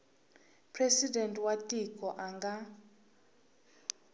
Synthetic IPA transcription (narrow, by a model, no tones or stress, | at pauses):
pʰrɛsidɛntʼwatʼikʼɔʔaŋɡa